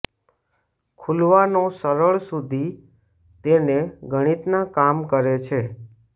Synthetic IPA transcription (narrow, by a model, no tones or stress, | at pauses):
kʰulʋanosəɾəɭsud̪ʱi | t̪eneɡʱəɽ̃it̪nakamkəɾet͡ʃʰe